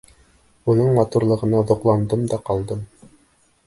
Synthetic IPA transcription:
unɤɴmɑt̪uɾlˠɤ̆ʁɤ̆nɑðŏqlˠɑnd̪ɤmd̪ɑqɑlˠd̪ɤm

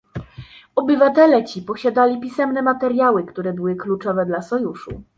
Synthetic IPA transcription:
ɔbɘvat̪ɛlɛt͡ɕipɔɕad̪alʲipʲisɛmnɛmat̪ɛɾʲjawɘkt̪uɾɛbɘwɘklut͡ʂɔvɛd̪lasɔjuʂṵ

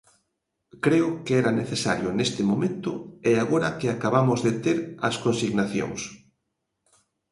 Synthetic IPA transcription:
kɾeʊkeɛɾaneθesaɾjʊnest̪ɪmomẽnt̪ʊeaɣoɾɐkeakaβamʊzðet̪eɾɐ̰skonsiɣnaθjo̰ŋs

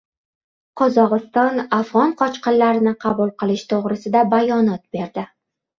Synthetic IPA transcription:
qʰɒzɒʁɨst̪ɒnafʁɒnqʰɒt͡ʃqɨnlaɾɪnɪqʰɑbulˠqɨlˠɪʃt̪ʰoʁɾɪsɪd̪abajɒnɒt̪̚b̥e̞ɾd̪ɪ

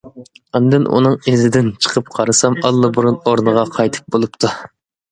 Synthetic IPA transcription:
ɑnd̪ɪnʔṵnɨŋezɪd̪ɪnt͡ʃʰə̥qʰəp̚qʰɑɾɨsɑmɑlˠːɨbuɾunoɾnɨʁɑqʰɑjt̪ʰɨ̥p̚bolˠupt̪ʰu

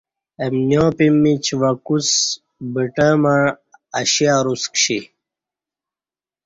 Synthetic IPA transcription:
emnjõːpimːit͡ɕʋɐkus | bəʈəmaɻ | ɐɕiaɾuskɕi

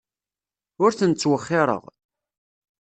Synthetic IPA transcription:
ʊɾθənt͡sːwəχːɪɾˤə̰ʁ

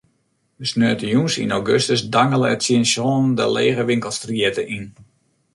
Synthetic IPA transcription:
dəsnøːtəjunsḭnowɡøstəsdaŋəlˠəɛtsiənsɔːndə̰lḛːɣəʋɪŋkəlˠstriɛtəʔin

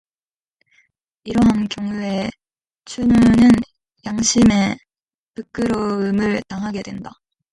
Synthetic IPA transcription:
iɾʌɦankjoŋue̞ | t͡ɕʰumunɯn | jaŋɕʰime̞ | pɯk͈ɯɾoɯmɯɭtaŋɦaɡe̞dwe̞nda

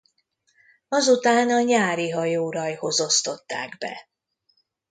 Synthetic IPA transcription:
ɒzut̪aːnɒɲaːɾiɦɒjoːɾɒjho̞zo̞st̪o̞t̪ːaːɡbɛ̰

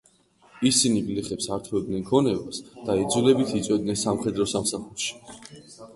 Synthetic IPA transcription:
isinipʼliχɛpsaɾt̪ʰvɛbd̪nɛnkʰɔnɛvasd̪̥aid̪zulɛbit̪ʰit̪sʼwɛd̪nɛnsamχɛd̪ɾɔsamsaχuɾʃi̥

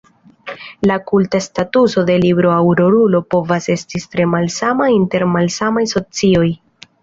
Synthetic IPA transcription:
lakultastatuso̞de̞libɾo̞awɾo̞ɾulo̞po̞vase̞stitɾe̞malsamainte̞ɾmalsamajso̞t͡sio̞j

